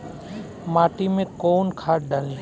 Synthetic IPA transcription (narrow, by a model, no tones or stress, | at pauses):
maːʈimẽkoːnkʰaːɾɖɐl